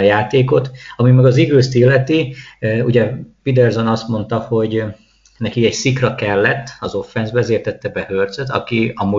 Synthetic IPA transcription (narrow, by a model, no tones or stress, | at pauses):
ɒjaːt̪eːko̞t̪ɒmimɛɡɒziɡøːst̪ilːɛt̪iuɟɛpid̪ɛrzo̞nɒst̪mo̞n̪t̪ɒho̞ɟ | nɛkiɛcsikrɒkɛlːɛt̪ːɒzo̞fːɛnzbɛzeːrt̪ɛt̪ːɛbɛhørd̪zøt̪ɒ̰kiɒmu